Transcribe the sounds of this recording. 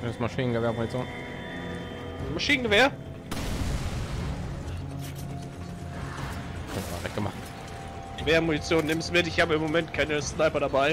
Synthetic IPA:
nɪmsmaʃiːnənɡəveːɐmunit͡sjoːn | maʃiːnənɡəveːɐ | kʰənvma̰vɛk̚ɡəma̰χt | ɡ̥əveːɐmunit͡sjoːnːɪmsmɪtɪçhaːbəɪmomɛntkʰaɪnəsnaɪpɐɾabaɪ

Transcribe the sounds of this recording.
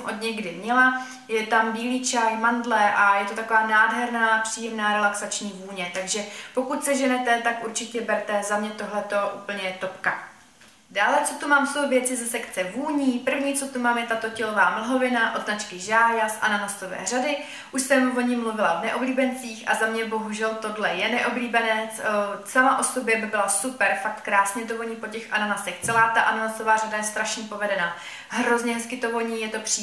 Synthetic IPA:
mʔod̪ɲɛɡdɪmɲɛla | jɛt̪ambiːliːt͡ʃajmandlɛʔajɛt̪ot̪ako̞vaːnaːdɦɛɾnaːpr̥iːjɛmnaːɾɛlaksat͡ʃɲiːvuːɲɛt̪aɡʒɛpo̞kut̪sɛʒɛnɛt̪ɛt̪akʔuɾt͡ʃɪcɛbɛɾt̪ɛzamɲɛt̪o̞ɦlɛt̪o̞ʔuːpl̩ɲɛt̪opka | daːlɛt͡so̞t̪umaːmso̞wvjɛt͡sɪzɛsɛkt͡sɛvuːɲiːpr̩vɲiːt͡sot̪umaːmjɛt̪at̪o̞cɛlo̞vaːml̩ɦo̞vɪnaʔot̪nat͡ʃkɪʒaːjasʔanaɦast̪ovɛ̰ːr̝adɪ | ʔuʃsɛmvo̞ɲɪmluvɪlavnɛʔobliːbɛnt͡siːxʔa̰zamɲɛbo̞ɦuʒɛlt̪o̞dlɛjɛnɛʔo̞bliːbɛnɛt͡ssamaʔo̞so̞bjɛbɪbɪlasupɛɾfak̚t̪kɾaːsɲɛt̪̬ovoɲiːpo̞cɛxʔananasɛxtt͡sɛlaːt̪aʔananasovaːradajɛst̪ɾaʃɲipo̞vɛdɛnaː | ɦɾo̞zɲɛɦɛskɪt̪ovo̞ɲiːjɛt̪o̞pr̥i

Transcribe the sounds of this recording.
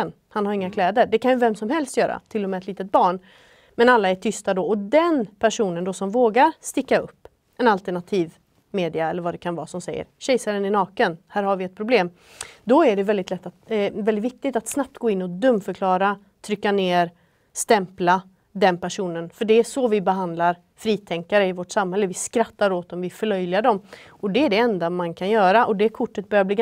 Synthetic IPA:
n | hanhaɾjɪŋːakʰlɛːd̪əɖɛkʰanjɵvɛmsɔmhɛlst̪jœːɾa̰t̪ʰɪlːɔmɛːt̪liːt̪ət̪̚bɑːɳ | mɛnalːaɛʈʰʏst̪ad̪ɔɔd̪ɛnpʰæʂuːnənd̪ɔsɔmvoːɡaɾst̪ɪkːaɵpː | ʔɛnalt̪əɳat̪ʰiːv | meːd̪ɪaɛlːəɾvad̪ɛkʰanvɑ̰ːsɔmsɛjːə̰ɾɕɛjsaɾənɪnɑːkənhæːɾhaɾvɪɛt̪̚pʰɾʊbleːm | d̪ɔæɖɛvɛld̪ɪt̪lɛt̪ːat̪vɛld̪ɪt̪vɪk̚t̪ɪɡt̪at̪snap̚t̪ɡoːɪnːɔd̪ɵmːfœɾkʰlɑːɾa | t̪ʰɾʏkːaneːɾ | st̪ɛmpla | d̪ɛnpæʂuːnənfœɖɛæʂɔvɪbɛɦand̪laɾ | fɾiːt̪ʰɛŋkaɾəɪvoʈsamhɛlːəvɪskɾat̪ːaɾoːt̪ɔmvɪfœɭœjlɪaɖɔm | ɔd̪ɛæɖɛɛnd̪amankʰanjœːɾaʔɔd̪ɛkʰʊʈːət̪̚bœɾjabliːɡ

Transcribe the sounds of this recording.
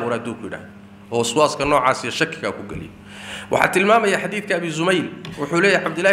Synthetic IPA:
ʊːɾad̪uːkʰʊjɪɽa̰ːhðɔ | ʔɔːswaːskʰɐnɔːʕɑːsijɔʃɐkʰːɪɣakʰʊɡɛ̰lɪ̰jɔ | wʔɑ̰ħɑ̰ːt̪ʰɪlmaːmɐjaːħɑd̪iːθkʰɐːβiːzʊmɛjlwʊħuːlɛːjjʕɑbd̪ʊlːa

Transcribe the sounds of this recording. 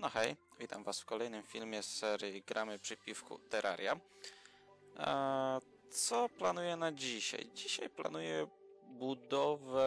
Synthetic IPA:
nɔxɛjvʲit̪amvasfkɔlɛjnɘmfʲilmʲjɛsɛɾjiɡɾʔamɘpʂɘpʲifkṵt̪ɛɾʔa̰ɾʲja | t̪sɔplanujɛnad͡ʑiɕa̰jd͡ʑiɕajpla̰nujɛbud̪ɔvɛ

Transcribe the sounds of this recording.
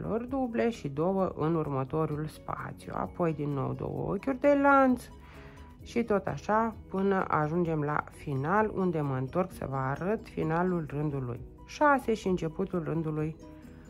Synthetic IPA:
lo̞̰rd̪uble̞ʃid̪o̞wəʔɨnurmət̪o̞ɾulspa̰t̪sijṵa̰po̞jd̪inːo̞̰wd̪o̞̰wə̰o̰kʲurʲd̪e̞lant̪s | ʃit̪o̞t̪a̰ʃapɨnəʔaʒund͡ʒe̞mla̰finalṵnd̪e̞məɨnt̪o̞rksə̰vəːɾət̪fḭnalulrɨnd̪ulṵj | ʃase̞ʃiɨnt͡ʃe̞put̪ulrɨnd̪uluj

